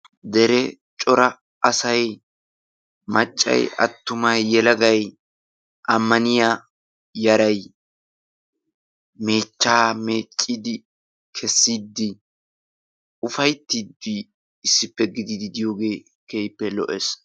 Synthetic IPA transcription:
d̪ɛɾɛ | t͡ʃʼɔɾɐ | ɐsɐj | mɐt͡ʃʼːɐ̰jɐ̰t̪ːʊmɐjːɛlɐɡɐj | ʔɐmːɐnɪjaː | jɐɾɐj | me̞ːt͡ʃːaːme̞ːt͡ʃʼːid̪ɪ | kʰɛsːiːd̪ːɪ | ʊfɐjt̪ːiːd̪i | ɪsːɪpːɛɡɪd̪ɪd̪ɪd̪ɪjo̞ːɡe̞ː | keːjpːɛlɔʔes

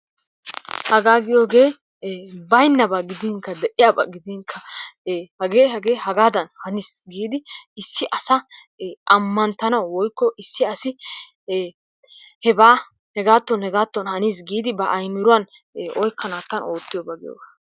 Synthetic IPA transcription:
hɐɡaːɡɪjo̞ːɡe̞ː | bɐjnːɐbɐɡɪd̪ɪŋkːɐd̪ɛʔɪjabɐ̰ɡɪd̪ɪŋkʰːɐ | hɐɡeːhɐɡe̞ːhɐɡaːd̪ɐnhɐnisɡiːd̪ɪɪsːɪʔɐsɐ | ʔɐmːɐnt̪ːɐnɐwwɔjkːɔʔɪsːɪɐsɪ | hɛbaː | hɛɡaːt̪ːɔnhɛɡaːt̪ːɔnhɐniːs̬ɡiːd̪ɪbɐʔɐjmːɪɾʊwɐn | ɔjkːɐnaːt̪ːɐno̞ːt̪ːɪjɔbɐɡɪjo̰ːɡa

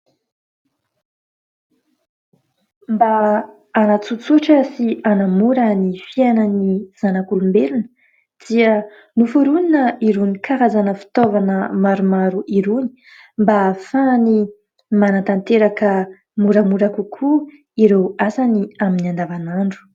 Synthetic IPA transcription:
mbaː | nat͡sut͡suʈ͡ʂəsianamuɾənifianəniz̥anakulumbelunə | d͡z̥iə | nufuɾuninəiɾunikʰaɾazanəfi̥t̪ovanəmaɾumaɾuʔiɾuni̥ | mbafani | manant̪ant̪eɾakə | muɾamuɾakukʰu | iɾewasaniaminiand̪avanaɳɖ͡ʐu̥

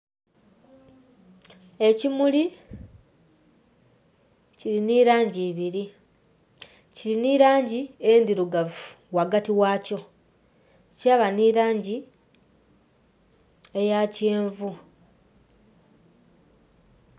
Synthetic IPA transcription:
e̞cimuli | ciɾiniːɾaːɲɟiːβiɾi | ciliniɾaːɲɟiend̪iɾuɡavu̥ | waɡatiwaːco̞ | caːβaniɾaːɲɟi | e̞jaceːɱvu

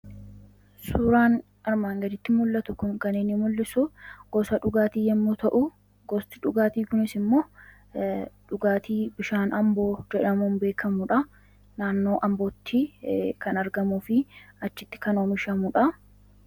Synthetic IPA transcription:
suːɾaːn | ɐɾmaːŋɡɐd̪ɪt̪ːɪmʊlːɐt̪ʊkʊŋkɐnɪnːɪmʊlːɪsʊɡ̥ɔsɐᶑʊɡaːt̪iːjɛmːut̪ɐʔʊ | ɡɔst̪ɪᶑʊɡaːt̪iːkʊnɪsɪmːoː | ᶑʊɡaːt̪iːbɪʃaːnɐmbo̞ːd͡ʒɛᶑɐmuːnbe̞ːkʰɐmʊᶑɐ | naːnːo̞ːʔɐmboːt̪ʰːɪkɐnɐɾɡɐmuːfɪɐt͡ʃːɪt̪ːɪ̥kɐnoːmɪʃɐmʊᶑɐ

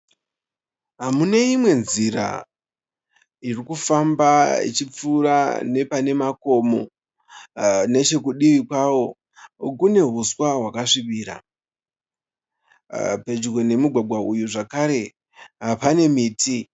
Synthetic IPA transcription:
ɦamuneimwe̞nziɾa̰ | irikufambaḭt͡ʃip͡fuːɾa̰ne̞pane̞mako̞mo̞ | ne̞t͡ʃe̞k̬uɗiʋikwawo̞ | kune̞ɦuswaɦwakaʂiʋiːɾa̰ | pe̞d͡ʒuɡo̞ne̞muɡʱwaɡʱwaujuʐakaɾe̞ | ɦapane̞miːti

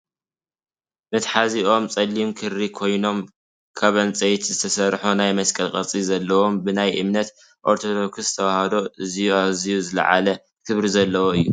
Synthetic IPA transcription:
mɨt̪ħaziʔo̞mt͡sʼɐlːimkʰɨɾikʰo̞jno̞m | kʰaβɐnt͡sʼejt̪zɨt̪ʰɐsɐɾħunajmɐskʼɐlkʼɐt͡sʼizɐlːɐwo̞mbɨnajʔɨmnɐt̪ | ʔoɾt̪ʰod̪o̞kʰɨst̪ʰɐwahɐd̪o̞ʔɨzijuaβzijuzɨlɐ̰ʕa̰lɐ | kʰɨβɾizɐlːɐwoɨjːu

